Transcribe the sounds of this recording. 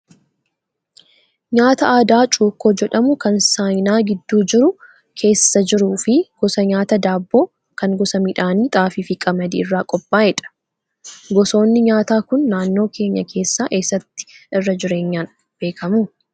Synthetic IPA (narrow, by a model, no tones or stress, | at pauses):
ɲaːt̪ɐaːd̪aːt͡ʃʼuːkːoːd͡ʒɛᶑɐmʊkɐnsaːjnaːɡɪd̪ːuːd͡ʒɪɾʊ | kʰe̞ːsːɐd͡ʒɪɾuːfɪɡ̥ɔsɐɲaːt̪ɐd̪aːbːo̞ː | kɐŋɡɔsɐmɪᶑaːniːt̪ʼaːfiːfɪkʼɐmɐd̪ɪɪrːaːkʼɔpʼːaːjɛᶑɐ̥ | ɡɔso̞ːnːɪɲaːt̪aːkʊnːaːnːo̞ːkʰe̞ːɲːɐkʰe̞ːsːaːʔe̞ːsːɐt̪ːɪ̥ʔɪrːɐd͡ʒɪɾe̞ːɲːaːn | b̥e̞ːkʰɐmuː